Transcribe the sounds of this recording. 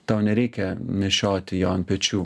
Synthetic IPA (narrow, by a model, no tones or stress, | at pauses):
t̪ɐʊnʲɛɾʲɛɪkʲɛmʲɛʃʲoːt̪ʲɪjoːnpʲɛt͡ʃʲuː